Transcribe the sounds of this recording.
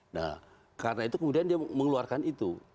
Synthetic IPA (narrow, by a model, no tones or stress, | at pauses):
na̰ | karənait̪ukəmudiandiaməŋluarkanit̪u